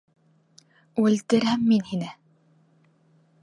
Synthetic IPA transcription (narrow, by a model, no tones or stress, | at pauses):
ulʲt̪ɘ̆ɾæmːinhinɘ